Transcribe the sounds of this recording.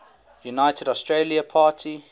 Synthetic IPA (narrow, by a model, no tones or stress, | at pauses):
junaɪtədɔstɹeliəpʰaːtʰi